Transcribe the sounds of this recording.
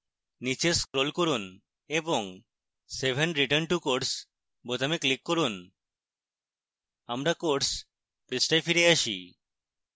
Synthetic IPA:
nit͡ʃeskɾolkoɾun | ebɔŋ | sebʱenɾiʈəɾnʈukoɾʈs | bot̪ameklikːoɾun | amɾakoʈs | pɾisʈajfʰiɾeaʃḭ

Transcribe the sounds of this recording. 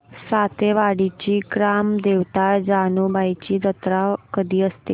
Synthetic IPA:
sat̪eʋaɽit͡ɕiːɡɾamd̪eʋt̪ad͡ʑanobajt͡ɕiːd̪ət̪ɾakəd̪iːəst̪ḛ

